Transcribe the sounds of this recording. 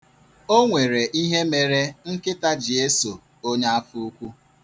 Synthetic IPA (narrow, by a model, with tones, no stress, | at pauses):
o˦ŋʷe˨ɾe˨ʔi˦ɦe˦me˨ɾe˦ŋ̩˦kɪ˦ta˦d͡ʒi˨e˦so˨ | o˦ɲa˦a˦fu˦u˦kʷu˦